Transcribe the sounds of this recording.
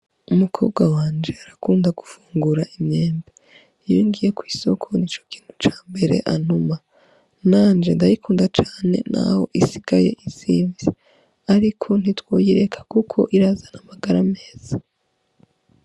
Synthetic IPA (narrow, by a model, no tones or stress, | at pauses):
umukʰo̞ːb̚ɡwawaːnd͡ʒe̞aɾakuːndaɡ̥ufuːŋɡuɾaʔimɲeːmbe | joŋɡije̞kwiːso̞kʰo̞niːt͡ʃo̞ki̥ːn̥hu̥t͡ʃaːmbe̞ɾe̞̰ʔan̥uma | naːnd͡ʒe̞ndajikʰuːndat͡ʃaːne̞̰nʔa̰ho̞̰ʔisiɡ̥aje̞̰ʔiziːɱvi | aɾikʰo̞n̥itwo̞jiɾe̞kʰḁkukʰo̞̰ʔiɾazanamaɡaɾame̞ːz̥a